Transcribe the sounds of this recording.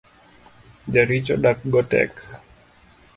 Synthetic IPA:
d͡ʒaɾit͡ʃɔɗak̚ɡɔtɛ̰k

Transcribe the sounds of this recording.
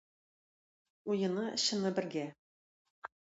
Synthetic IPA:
ujɤ̆nɤɕɤ̆nɤbɘ̆ɾɡʲæ

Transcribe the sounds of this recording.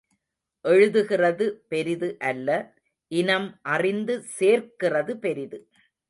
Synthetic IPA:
ʔɛɻɯðɯɣɪrɐðɯpɛɾɪðɯʔɐlːɐ | ʔɪnɐmʔɐrɪnd̪ɯseːrkɪrɐðɯpɛɾɪðɯ

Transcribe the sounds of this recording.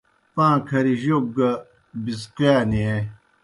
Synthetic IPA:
pãːkʰɐɾiʑob̚ɡɐ | bis̬kjaːnie

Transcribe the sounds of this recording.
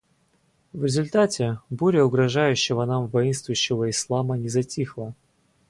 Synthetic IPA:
vɾʲɪzʊlʲt̪atʲɪbuɾʲəʊɡɾɐʐajʉɕːɪvənamvɐinst̪vʊjʉɕːɪvəɪslˠamənʲɪzɐtʲixlˠə

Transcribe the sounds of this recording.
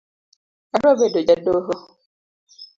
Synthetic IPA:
aɖɔbedod͡ʒadoɦo

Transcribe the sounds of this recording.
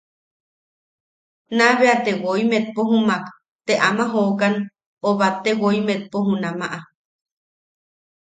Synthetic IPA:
naβeat̪ewoimet̪̚poɦumak | t̪eʔamaɦokan | oβat̪ːewoimet̪̚poɦunamaʔa

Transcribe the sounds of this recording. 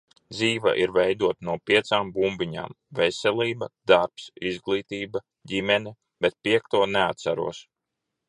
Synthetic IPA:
d̪ziːva̰ʔiɾvɛjd̪uɔt̪nuɔpiɛt̪saːmbumbiɲa̰ːm | vɛsʲɛlˠiːbɐd̪aɾpsizɡlˠiːt̪iːba | ɟimɛni | b̥et̪̚piɛk̚t̪uɔneat̪saɾṵɔs

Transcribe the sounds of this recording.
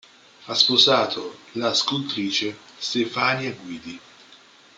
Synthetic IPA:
aspozaːt̪ʰolaskult̪ɾiːt͡ʃest̪efaːniaɡwiːd̪i

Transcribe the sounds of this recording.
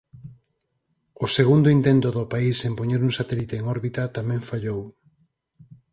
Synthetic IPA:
ʊseɣund̪ʊint̪ent̪ʊðʊpaisempoɲeɾuŋsat̪elit̪eːŋɔɾβit̪ɐt̪amɛ̃ɱfaʎow

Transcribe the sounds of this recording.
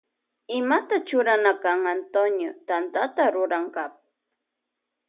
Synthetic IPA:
ɪmat̪at͡ʃʊɾanakaŋant̪onjot̪ant̪at̪aɾʊɾaŋkap̚

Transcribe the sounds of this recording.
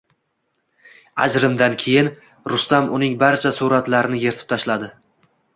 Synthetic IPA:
a̰d͡ʒɾɪmd̪ankʲʰe̞jɪn | ɾʊst̪amʊnɪŋbaɾt͡ʃʰasuɾat̪laɾɪnɪje̞ɾt̪ʰɪ̥p̚t̪ʰaʃlad̪ɪ

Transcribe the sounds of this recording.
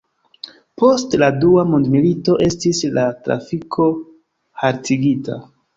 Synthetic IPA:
po̞stladuamundmilito̞ʔe̞stislatɾa̰fikʰo̞ | haɾtʰiɡita̰

